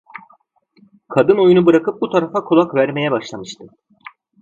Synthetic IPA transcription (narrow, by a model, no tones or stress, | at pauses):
kʰad̪ɯno̞junubɯɾakʰɯp̚but̪ʰaɾafakʰolˠakvæɾme̞jɛbaʃlˠamɯʃt̪ʰɯ